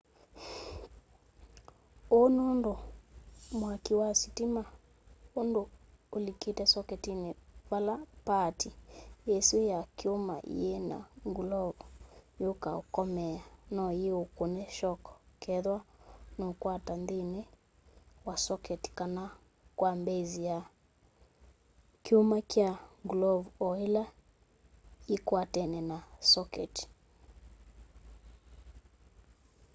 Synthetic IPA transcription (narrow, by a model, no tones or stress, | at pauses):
onondo | mwakiwasitima | ondoː | liketɛsɔkɛtineβalapatiesiojakeoma̰ʔḭjena̰ŋɡulɔɔjokaokɔmɛanɔjeokonɛʃɔkɔ̥kɛðwanɔkwatandinɛ | wasɔkɛti̥kana | kwambɛzija | kiumakiaŋɡlɔvuɔila | ikuatɛnɛnasɔkɛ̰ti̥